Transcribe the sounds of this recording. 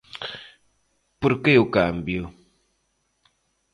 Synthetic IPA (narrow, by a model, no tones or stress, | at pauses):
puɾkejokam̩bjo